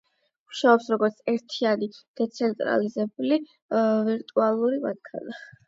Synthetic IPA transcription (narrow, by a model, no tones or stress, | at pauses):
uʃaɔpsɾɔɡɔɾt̪sʰɛɾt̪ʰianid̪̥ɛt̪sʰɛnt̪ʼɾa̰lizɛbuli | viɾt̪ʼualˠuɾimat̪̚kʰa̰na